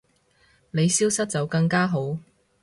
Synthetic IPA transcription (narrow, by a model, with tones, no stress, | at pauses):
ne˨˧jsiː˥wsɐ˥t̚t͡sɐ˨wkɐ˧ŋkaː˥ɦo˨˥w